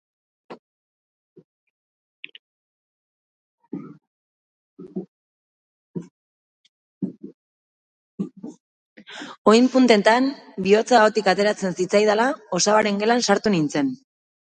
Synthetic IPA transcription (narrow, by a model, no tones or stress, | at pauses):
o̞jmpunt̪e̞t̪anbio̞t͡saot̪ikat̪e̞ɾat͡se̞nsit͡sajðalao̞saaɾe̞ŋɡe̞lansaɾt̪unint͡se̞n